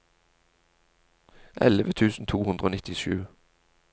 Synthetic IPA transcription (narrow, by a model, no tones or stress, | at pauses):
ʔɛ̰ləʋət̪ʰʉːsn̩t̪ʰuːhʉnd̪ʁəoːnɪt̪ɪʃʉː